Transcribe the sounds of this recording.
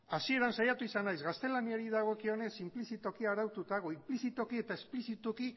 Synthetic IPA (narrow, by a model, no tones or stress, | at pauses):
asie̞ɾansajat̪uisanajzɣast̪e̞laniaɾiðaɣ̞o̞kio̞ne̞simplisit̪o̞kiaɾawt̪ut̪aɣ̞oimplisit̪o̞kie̞t̪aesplisit̪oki